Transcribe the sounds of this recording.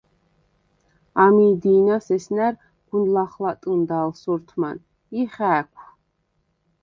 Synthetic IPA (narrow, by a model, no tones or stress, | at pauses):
amiːd̪iːnasɛsnæɾ | ɡ̥unlaχlat̪ʼɨnd̪aːlsuɾt̪ʰma̰n | iχæːkʷʰ